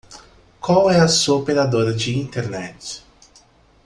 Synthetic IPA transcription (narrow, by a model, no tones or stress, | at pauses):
kwawɛɐsuɐopeɾad̪oɾɐd͡ʒɪĩnt̪eɾnɛt͡ʃɪ̥